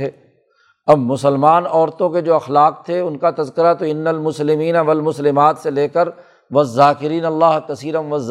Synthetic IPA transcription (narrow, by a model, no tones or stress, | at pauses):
eː | ɐbmʊsəlmaːnɔːɾt̪õked͡ʒoːɐxlaːq̚t̪ʰeʊnkat̪ɐzkɪɾat̪oɪnːəlmʊslɪmiːnaʋɐlmʊslɪmaːt̪seleːkəɾ | ʋɐzːaːkɪɾiːnɐlːaːɦkɐsiːɾɐ̃nʋɐz